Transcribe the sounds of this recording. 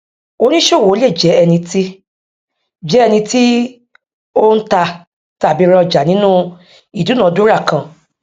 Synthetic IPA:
o˧nĩ˦ʃo˦˨wo˨˦le˦˨d͡ʒɛ˨˦ɛ˧nĩ˧ti˦ | d͡ʒɛ˨˦ɛ˧nĩ˧ti˦ | o˦n̩˦ta˧ | ta˨bi˧˦ɾɔ˧˨d͡ʒa˨nĩ˦nũ˦ | i˦˨du˨˦nã˨˦dũ˦ɾa˦˨kã˨

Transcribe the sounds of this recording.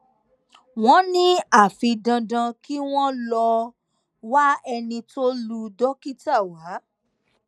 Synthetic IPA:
w̃ɔ̃˦nĩ˦a˦˨fĩ˧dã˧dã˧ki˦w̃ɔ̃˦lɔ˧ | wa˦ɛ˧nĩ˧to˦lu˧dɔ˦ki˦ta˦˨wa˨˦

